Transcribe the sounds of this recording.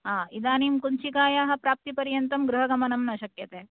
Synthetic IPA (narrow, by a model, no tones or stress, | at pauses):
ɦaːid̪aːnimkuɲt͡ʃikaːjaːɦɐ̆pɾaːp̚t̪ipɐɾjɐnt̪ɐmɡɾuɦɐɡɐmɐnɐmnɐːʃɐkjɐt̪eː